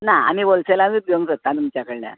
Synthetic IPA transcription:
naa̰mibolselait̪̚oŋsət̪ːãd̪ut͡ɕakəɭla̰

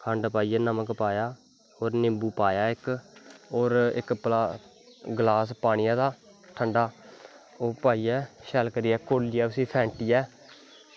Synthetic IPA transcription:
kʰə̃ɳɖpaːiːɛːnəməkpaːjaː | oːɾnɪmbuːpaːjaːɪk | oːɾɪ̰kplaː | ɡlaːspaːñɪjaːd̪aː | ʈʰəɳɖaː | oːpaːiːɛːʃɛːlkəɾiːɛːkolɪːɛːʊsĩːpʰɛ̃ːɳʈiːɛː

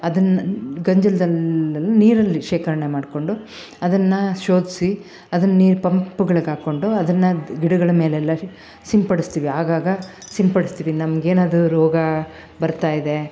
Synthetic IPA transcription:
ɐd̪ɐnːɐɡɐɲd͡ʒɐlɐd̪ɐlɐlːɐniːɾɐlːiʃeːkɐɾɐɳe̞maːɖko̞ɳɖu | ɐd̪ɐnːɐʃo̞ːd̪isi | ɐd̪ɐnːɐniːɾpɐmpːuɡɐɭɐɡaːko̞ɳɖuɐd̪ɐnːɐɡiɽɐɡɐɭɐme̞ːleɛlːɐ | simpɐɽist̪iːʋiaːɡaːɡɐ | simpɐɽist̪iːʋinɐmɐɡeːnaːd̪uɾɔːɡɐ | bɐɾt̪aːjid̪e̞

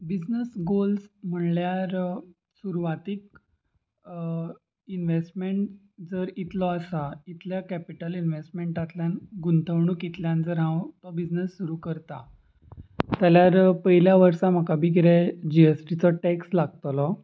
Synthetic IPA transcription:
bid͡znəsɡolsm̤əɳljaɾ | suɾuʋat̪ik̚ | inʋesʈmeɳʈ | d͡zəɾit̪lɔəsait̪ljakæpiʈəlinʋesʈmeɳʈat̪ljanɡunt̪əʋɳukit̪ljand͡zəɾɦãwt̪ɔbid͡znəsːuɾukəɾt̪a | t̪jaljaɾpəɦiljaʋəɾsãm̤akabʱiɡɾɛd͡ʑiesʈit͡sɔʈɛkslaɡ̚t̪lɔ

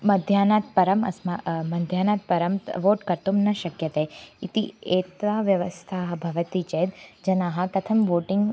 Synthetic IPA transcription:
mɐd̪ʱjaːnaːt̪pɐɾəmɐ̰smamɐd̪ʱjaːnat̪̚pɐɾəmʋoːʈkɐɾt̪omnɐʃɐkjɐt̪ɐeit̪ieːt̪ʋaʋjɐʋəst̪ʰaːɦɐbʱɐʋət̪it͡ʃeːd̪d͡ʒɐnaːɦapɾɐt̪ʰɐmʋoːʈɪŋɡ

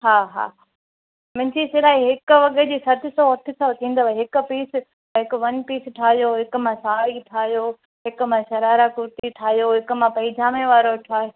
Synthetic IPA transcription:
ɦaːɦa̰ː | mɪ̃ɲt͡ɕisɪlaːiɦɪkʊ̆ʋɐɠʱəd͡ʑiːsɐd̪ʱɪsɔɐʈʰɪsɐt̪ʰĩːn̆d̪oʋaɦɪkʊpiːs | ɦɪkʊʋɐnpiːsʈʰaːɦijoːɦɪkʊmãsaːiʈʰaːɦjo | ɦɪkʊmãʃɐɾaːɾakʊɾt̪iʈʰaːɦijoɦɪkʊmãpɐ̃ɪd͡ʑʱaːmẽʋaːɾoʈʰaːjo

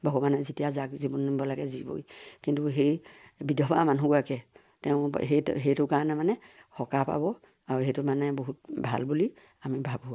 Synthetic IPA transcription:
bɔɡɔmanɔzitijazakzibɔnibɔlaɡɛzibo̰jkintuɦejbidɔbamanɦuɡɔakɛ | tɛʊ̃ɦetɦejtʊkaɹɔnɛmanɛhɔkapa̰bɔ | aɹuɦejtʊmanɛboɦut̚bʱa̰lbuli | amibʱabʱua

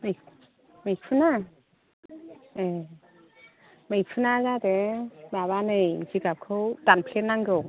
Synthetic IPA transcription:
mɯj | mɯjk̚pʰɯna | e | mɯjk̚pʰɯnazadebaβanɯjziɡap̚kʰɯwdanpʰlenːaŋɡɯw

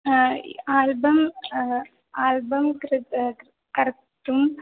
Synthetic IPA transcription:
aːlbɐm | aːlbɐmkɾ | kɐɾk | ʈːum

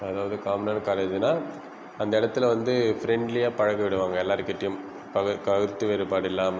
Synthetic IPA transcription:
ɐðaːʋɐðɯkaːmnɐːnkaːleːd͡ʒnaː | ɐnd̪ɐɪɽɐt̪ːɪlɐʋɐnd̪ɯfɾɛɳɖlɪjaːpɐɻɐɣɐʋɪɽɯʋaːŋɡɐɛlːaːɾɯkːɪʈːɐjɯm | pɐkɐɣɯɾt̪ːɯʋeɾɯpaːɽɪlːaːm

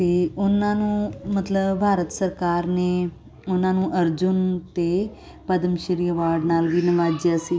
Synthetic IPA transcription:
eːʊnãːnũːmət̪ləbbʱaːɾət̪səɾkaːɾneː | ʊnãːnũːʔəɾd͡ʒʊnt̪eː | pəd̪əmʃəɾiːəʋaːɾɖnaːlʋiːnəʋaːd͡ʒjaːsiː

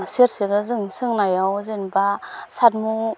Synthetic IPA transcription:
seɾsɯɡɯzɯŋsɯŋnajawzɯnbasat̚mu

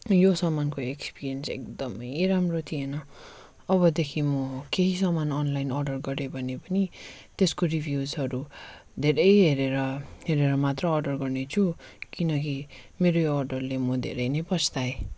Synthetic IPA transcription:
josʌmankoekspirijʌnsḛk̚d̪ʌmʌjɾamrot̪ʰienʌ | ʌβʌd̪ekʰimʌkeɦisʌmanʌnlajnʌrɖʌrɡʌɾebʱʌnepʌni | t̪eskoribʱjud͡zɦʌɾud̪ʱeɾʌjɦeɾeɾʌɦeɾeɾʌmat̪rʌʌrɖʌrɡʌrnet͡sʰukinʌkimeɾoʌrɖʌrlemʌd̪ʱḛɾʌjnepʌsʰt̪ae

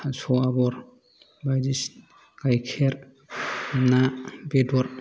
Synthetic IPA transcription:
sɔabɔɾ | bajdis | kajkʰɛɾ | nabedɔɾ

